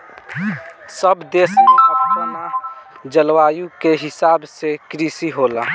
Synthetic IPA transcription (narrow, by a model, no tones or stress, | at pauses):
səbd̪esmeəbəna | d͡ʒəlwajũkeɦɪsabsekɾisiɦolə